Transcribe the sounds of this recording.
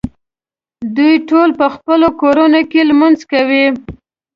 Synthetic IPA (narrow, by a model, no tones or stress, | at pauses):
d̪ujʈolpəxpəlokoɾanokelmanzkawi